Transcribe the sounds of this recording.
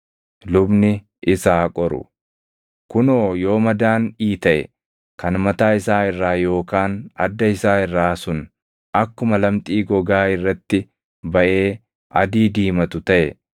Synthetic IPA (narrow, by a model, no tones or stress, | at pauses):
lʊbnɪ | ʔɪsaːkʼɔɾʊ̰ | kʊno̞ːjo̞ːmɐd̪aːniːt̪ɐʔɛ̰ | kɐnmɐt̪aːɪsaːɪrːaːjo̞ːkaːnɐ̰d̪ːɐɪsaːɪrːaːsʊn | ʔɐkːʊmɐlɐmt̪ʼiːɡɔɡaːɪrːɐt̪ːɪ | bɐʔe̞ː | ɐd̪iːd̪iːmɐt̪ʊt̪ɐʔɛ